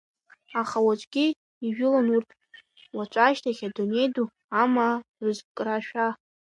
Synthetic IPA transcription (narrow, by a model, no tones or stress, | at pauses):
aχawat͡ʃʷʼɡʲi | iʒᶣʊlanurtʼ | wat͡ʃʷʼaʃtʰaχʲadune̞jdu | amarɨzkʼraʃᶣa